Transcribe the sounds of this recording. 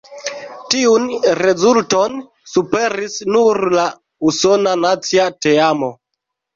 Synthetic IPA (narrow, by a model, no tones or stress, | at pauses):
tiunɾe̞zulto̞n | supeɾisnuɾla | uso̞nanat͡siate̞amo̞